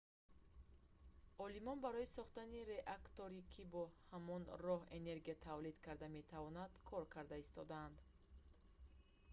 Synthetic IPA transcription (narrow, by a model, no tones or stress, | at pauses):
ɔlimɔnbaɾɔisɔχt̪aniɾe̞ʔakt̪oɾikʰibɔhamɔnrɔhe̞ne̞ɾɡiat̪ʰavlid̪kʰaɾd̪ame̞t̪ʰavɔnad̪̥kʰɔɾkʰaɾd̪aist̪ɔd̪aand̪